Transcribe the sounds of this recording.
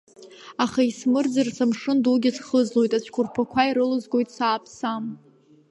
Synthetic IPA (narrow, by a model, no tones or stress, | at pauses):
aχaismɨrd͡zɨrsʰamʂɨnduɡʲɪsχəzlo̞jtʼat͡ʃʷʰkʷʰʊrpʰakʷʰaiɾɨlɨzɡʷo̞jtʼsaːpʰsam